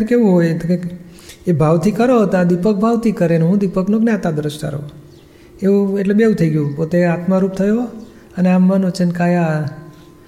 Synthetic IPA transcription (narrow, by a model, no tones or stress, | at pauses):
keʋũɦoj̪ke | ebʱaʋt̪ʰikəɾoɦət̪ad̪ipək̚bʱaʋt̪ʰikəɾeneɦũd̪ipəknokneat̪ad̪ɾəʃʈa̰ɾo̰ | eũeʈlebeũt̪ʰəiɡjũpot̪eat̪maɾup̚t̪ʰəjo | əneamːãnot͡ʃənkaja